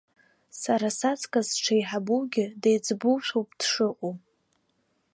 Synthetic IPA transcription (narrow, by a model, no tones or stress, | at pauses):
saɾasat͡sʰʼkʼazʈ͡ʂʰajħabuwɡʲɪdejd͡zbuwʃʷᶣowpʼd̥ʂɨqʷʼo